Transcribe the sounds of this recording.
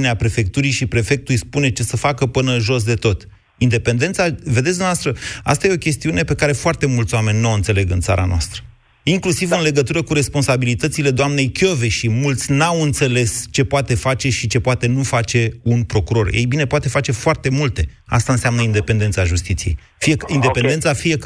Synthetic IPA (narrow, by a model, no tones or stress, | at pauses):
neapɾe̞fe̞k̚t̪uɾijʃipɾe̞fe̞k̚t̪uujspune̞t͡ʃe̞səfakəpɨnəɨnʒo̞s̬d̪e̞t̪o̞t̪ | ind̪e̞pe̞nd̪e̞nt̪saved̪et̪sd̪umeavast̪ɾəa̰st̪aje̞okʲe̞st̪iune̞pe̞kaɾe̞foart̪e̞mult̪sowame̞nʲnuawɨnt̪se̞le̞ɡɨnt̪sa̰ɾa̰noa̰st̪ɾə̥ | iŋklusivɨnle̞ɡət̪uɾəkuɾe̞spo̞nsabilit̪ət̪sile̞d̪oamne̞jkʲo̞veʃimult̪sʲnawɨnt̪se̞le̞st͡ʃe̞poat̪e̞fat͡ʃe̞ʃit͡ʃe̞poat̪e̞nufat͡ʃe̞unpɾo̞kuɾo̞rjḛjbine̞poat̪e̞fat͡ʃe̞foart̪e̞mult̪e̞ | a̰st̪aɨnseamnəind̪e̞pend̪e̞nt̪saʒust̪it̪sijḛj | fieind̪e̞pend̪ent̪safije̞k